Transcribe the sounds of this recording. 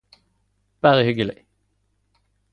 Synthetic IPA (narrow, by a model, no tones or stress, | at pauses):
b̥æːʁəhʏɡəlɪ̰